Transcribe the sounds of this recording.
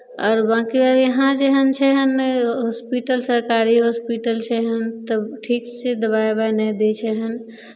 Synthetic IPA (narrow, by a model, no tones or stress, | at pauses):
ɔːɾbãkiɔɾjəɦãd͡ʒeɦənt͡ʃʰɛɦənɦospiʈəlsəɾkaɾiɦospiʈəlt͡ʃʰɛɦənt̪əʈʰiksed̪əβaebanɛd̪et͡ʃʰɛɦən